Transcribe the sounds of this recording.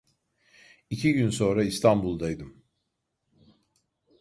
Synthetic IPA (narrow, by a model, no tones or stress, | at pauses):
icʰiɟynso̞nɾaist̪ʰambulˠd̪ajd̪ɯm